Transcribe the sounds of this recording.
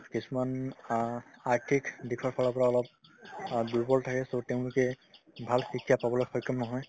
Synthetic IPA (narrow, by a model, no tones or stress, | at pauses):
kisuman | aɹtʰikdikʰɔɹpʰɔlɔpɔɹaɔlɔp̚ | duɹbɔltʰakɛsotɛʊ̃lʊkɛ | bʱalxikʰijapabɔlɔjxɔjkɔmnɔɦɔj